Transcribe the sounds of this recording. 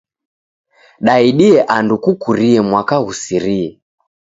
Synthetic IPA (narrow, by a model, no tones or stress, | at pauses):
ɗaiɗiɛʔandukukuɾiɛmwakaɣusiɾiɛ